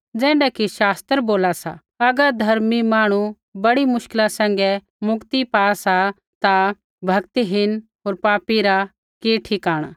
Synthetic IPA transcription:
d͡zɛ̃ːɳɖɛkiʃaːst̪əɾboːlasa̰ | ɐɡəɾd̪ʱɐɾmimaːɽ̃u | bɐɽimʊʃkɪlãsɛ̃ːŋɡɛ | mʊkt̪ipaːasa | t̪a | bʱɐkt̪iɦɪnɦoːɾpaːpiɾa | keːʈʰikaːɽ̃a

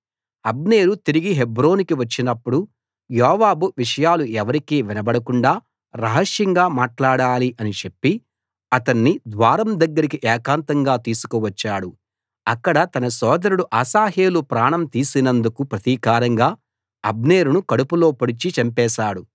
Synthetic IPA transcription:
ɐb̚ne̞ːɾut̪iɾiɡiɦebɾo̞ːnikiʋɐt͡ʃːinɐpːuɽu | jɔːʋaːbuʋiʂɐjaːluʔɛʋɐɾikiːʋinɐbɐɽɐkuɳɖaː | ɾɐɦɐʂjɐŋɡaːmaːʈlaːɽaːliʔɐnit͡ʃe̞pːi | ɐt̪ɐnːid̪ʋaːɾɐmd̪ɐɡːɐɾikiʔɛːkaːnt̪ɐŋɡaːt̪iːsu̥kuʋɐt͡ʃːaːɽu | ɐkːɐɽɐt̪ɐnɐsɔːd̪ɐɾuɽuʔaːsaːɦe̞ːlupɾaːɳɐmt̪iːsinɐnd̪ukupɾɐt̪iːkaːɾɐŋɡaː | ɐbne̞ːɾunukɐɽupulo̞ːpɐɽit͡ʃit͡ʃɐmpɛːʃaːɽu

